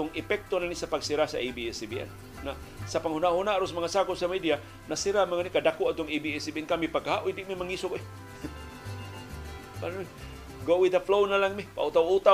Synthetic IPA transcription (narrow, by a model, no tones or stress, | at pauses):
ʊŋɪpɛk̚t̪onanisapaɡsiɾasaʔebiɛsbiʔɛ̰nː | a | sapaŋhunaʔhunaʔɾosmaŋasakʊpsamidia | nasiɾamaŋanikadakoʔat̪ʊŋebiɛsibiɛnkamipaɡaɦaʔujdiʔmimaŋisʊkʔ | panmi | ɡowid̪əflownalaŋmipa̰ut̪awut̪a